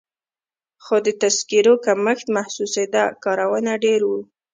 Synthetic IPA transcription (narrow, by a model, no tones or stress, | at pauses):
xod̪ət̪askiɾokaməxt̪mahsused̪akɑɾawənaɖeɾwu